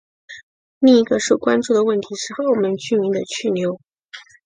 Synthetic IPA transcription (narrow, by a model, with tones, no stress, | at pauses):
ni˥˩i˧˥ɡə˧ʂo˥˩ʊkwa˥nʈ͡ʂu˥˩d̪ə˩wə˥˩nt̪ʰi˧˥ʂɻ̩˥˩xə˧˥˩ʊ˨˩mə˨˦nt͡ɕy˥mi˧˥ŋd̪ə˧t͡ɕʰy˥˩ljo˧˥ʊ